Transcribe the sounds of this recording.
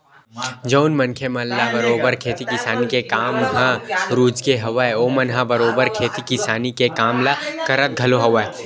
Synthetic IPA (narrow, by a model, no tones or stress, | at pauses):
d͡ʒoːnmɐnkʰemɐnlabɐɾoːbəɾkʰeːt̪ikɪsaːnikekaːmɦãɾuːd͡ʒkeɦɐʋaeoːmɐnɦãbɐɾoːbəɾkʰeːt̪ikɪsaːnikekaːmlakɐɾət̪̚ɡʱɐloɦɐʋaːe